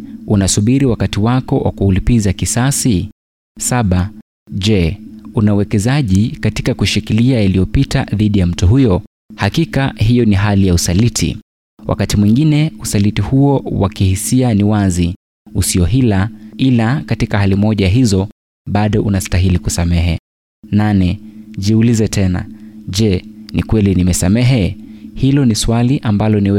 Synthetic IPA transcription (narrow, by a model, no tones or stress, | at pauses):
unasuɓiɾiwakatiwakɔwʔa̰kuːlipizakisasi | saɓa | ʄɛunauwɛkɛzaʄikati̥kakuʃikiliajalijɔpitaðiɗijam̩tuɦujɔ | hakikaɦijɔniɦalijausalitʰḭ | wʔa̰katimwiŋɡinɛusalitihuɔwakihisianiwazi | usiɔɦilailakatikaɦalimɔʄajaɦizɔ | ɓaɗɔʔunastaɦilikusamɛɦɛ̰ | nanɛʄiulizɛtɛna̰ʄɛnikwɛlinimɛsamɛɦɛhilɔniswaliʔambalɔniwɛ